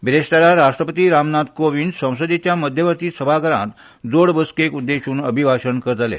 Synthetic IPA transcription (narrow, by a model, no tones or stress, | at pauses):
ʋɾeɕt̪aɾaɾaʂʈɾəpət̪iːɾamnat̪koʋinɖsə̃w̃səd̪et͡ɕjaməd̪ʱjəʋəɾt̪iːsəbʱakəɾã̰t̪ | d͡zoɽbəskekud̪ːeɕuːnəbʱibʱaɕənkəɾət̪alḛ